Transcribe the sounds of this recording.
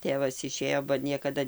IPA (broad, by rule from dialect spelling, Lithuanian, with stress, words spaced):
ˈtʲeːʋɐs ɪˈʃʲeːjoː bɐ ˈnʲiɛkɐdɐ